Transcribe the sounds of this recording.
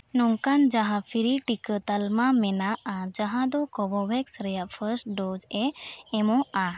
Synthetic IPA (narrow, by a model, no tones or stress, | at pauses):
nɔŋkand͡ʒaɦãfʰiɾiʈikət̪əlmãmɛnaad͡ʒaɦãd̪ɔkɔbɔbɛksɾɛjafʰəɾsʈɖɔd͡ʒɛɛmɔa